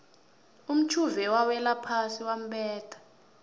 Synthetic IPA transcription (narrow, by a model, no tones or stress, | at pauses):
um̩t͡ʃʰuvɛwawɛlapʰasiwam̩ɓɛːtʰḁ